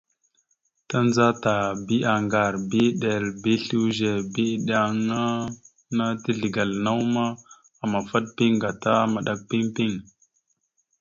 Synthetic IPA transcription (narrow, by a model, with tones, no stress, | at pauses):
ta˦nza˦ta˨bi˦a˨ŋɡa˨ɾbi˦ɗe˨lbi˦ɬu˦wʒe˨bi˦ɗa˦ŋa˦ | na˦ti˦ɮi˨ɡa˨lna˦wma˦ | a˨ma˨fa˦ɗ̚pi˦ŋɡa˨ta˦ma˨ɗa˦k̚pi˦ŋpi˦ŋ